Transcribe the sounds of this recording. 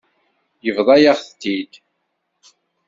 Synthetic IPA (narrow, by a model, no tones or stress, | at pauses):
jəvðˤɑjaʁθt̪ːid̪